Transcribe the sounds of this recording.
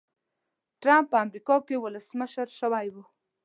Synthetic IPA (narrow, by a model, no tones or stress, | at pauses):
ʈɾampːəamɾikɑkewʊləsməʃəɾʃəwajwu